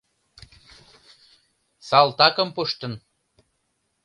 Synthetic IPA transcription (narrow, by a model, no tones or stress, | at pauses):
sɑlˠt̪ɑkɤ̆mpuʃt̪ɤ̆n